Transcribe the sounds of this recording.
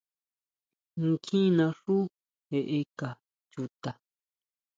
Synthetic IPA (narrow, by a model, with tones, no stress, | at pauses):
ŋ˦kʰĩ˦nã˧ʂu˦ | e˨˧ʔe˧ka˨ | t͡ʃu˧t̪a˨